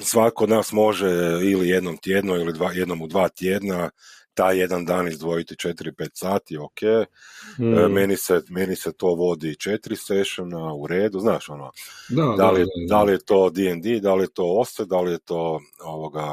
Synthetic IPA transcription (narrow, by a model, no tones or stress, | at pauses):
sʋakakood̪naːsmo̞ʒeilije̞d̪no̞mt̪jeːd̪noilid̪ʋaːje̞d̪no̞mud̪ʋaːt̪je̞ːd̪nat̪ajːe̞d̪and̪aːnizd̪ʋo̞jit̪it͡ʃe̞t̪iɾipeːt̪saːt̪io̞kʰej | me̞niseme̞niset̪o̞ːʋo̞d̪it͡ʃe̞t̪ɾiseʃonauɾe̞ːd̪uznaːʃo̞noad̪alied̪alijet̪o̞ːd̪iend̪id̪alijet̪o̞ːo̞st̪ed̪alije̞t̪o̞ː | oʋoɡa